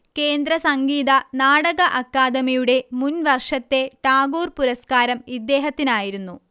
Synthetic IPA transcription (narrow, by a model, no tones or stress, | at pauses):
ke̞ːnd̪ɾɐsɐŋɡiːðɐnaːɽɐɣɐʔɐkːaːd̪ɐmijuɽe̞munʋɐrʂɐt̪ːe̞ʈaːɡuːrpuɾɐskaːɾɐmid̪ːeːɦɐt̪ːinaːjiɾunːu